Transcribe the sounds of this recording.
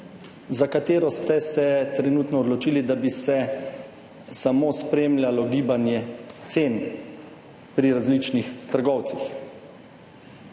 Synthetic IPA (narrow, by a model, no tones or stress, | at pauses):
zakat̪eːɾɔst̪ɛsɛt̪ɾɛnuːt̪nɔɔd̪lɔt͡ʃiːlid̪abisɛ | samoːspɾeːmlʲjalɔɡiːbanjɛt̪seːn | pɾiɾazlit͡ʃnixt̪əɾɡɔwt̪six